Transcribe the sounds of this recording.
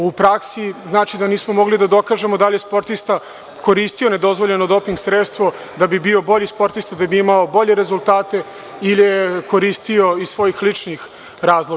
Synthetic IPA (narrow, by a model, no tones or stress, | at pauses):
upɾaksiznaːt͡ʃid̪aniːsmo̞mo̞ɡlid̪ad̪o̞kaʒe̞mod̪alijespo̞ɾt̪ist̪a | ko̞ɾist̪ione̞d̪o̞zʋo̞ʎe̞nod̪o̞piŋɡsɾet̪st̪ʋo̞ | d̪abibio̞bo̞ʎispo̞ɾt̪ist̪ad̪abiimaobo̞ʎe̞ɾe̞zulˠt̪aːt̪e̞ | ileeko̞ɾist̪io̞issʋo̞jixlit͡ʂnix | ɾaːzlˠoɡ